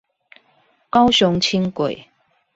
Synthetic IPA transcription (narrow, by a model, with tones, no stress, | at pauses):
kɑ˥˦ʊɕʊ˧˦ŋt͡ɕʰi˥ŋkwe˨˩˦ɪ